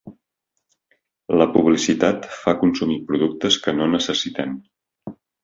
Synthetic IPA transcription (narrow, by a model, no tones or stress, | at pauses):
ləpuβ̞lisit̪at̪fakunsumipɾuðuk̚t̪əskənonəsəsit̪ɛm